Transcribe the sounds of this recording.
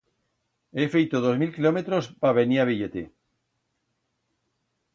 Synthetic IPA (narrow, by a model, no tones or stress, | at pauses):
efejt̪oðozmilkilomet̪ɾospaβeniaβiʎet̪e